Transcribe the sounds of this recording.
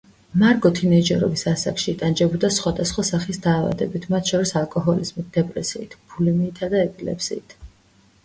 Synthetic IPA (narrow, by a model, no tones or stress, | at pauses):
maɾɡɔt̪ʰinɛid͡ʒɛɾɔ̰bisasakʃiːt̪ʼand͡ʒɛbɔd̪asχwad̪asχwasaχisd̪aːva̰d̪ɛbit̪ʰmat̪ʰʃɔɾisalˠkʼɔɦɔlizmit̪̚d̪ɛpʼɾɛsiːt̪ʰb̥ulimiːt̪ʰad̪aɛpʼilɛ̰psiːt̪ʰ